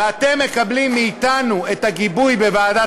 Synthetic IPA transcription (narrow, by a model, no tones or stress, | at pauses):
at̪emːe̞kablimːiːt̪anue̞t̪aɡibujbevaːda